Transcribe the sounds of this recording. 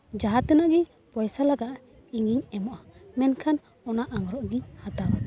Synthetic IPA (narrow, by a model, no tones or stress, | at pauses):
d͡ʒaɦat̪ɛnaɡɛ | pɔjsalaɡaʔ | iŋiɲɛmɔʔamɛnkʰan | ɔnaʔaŋɾɔʔɡiɲhat̪aba